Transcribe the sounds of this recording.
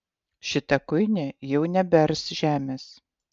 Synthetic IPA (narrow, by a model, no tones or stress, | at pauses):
ʃʲɪt̪ɛkʊɪnʲejɛʊnʲɛbʲɛɾsʒ̥ʲæːmʲeːs